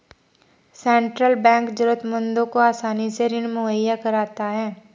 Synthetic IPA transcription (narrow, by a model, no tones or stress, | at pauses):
sɛ̃ːɳʈɾəlbɛ̃ːŋkd͡ʒʊɾət̪mə̃nd̪õkoaːsaːniseɾɪnmʊɦəjːakɐɾaːt̪aɦɛː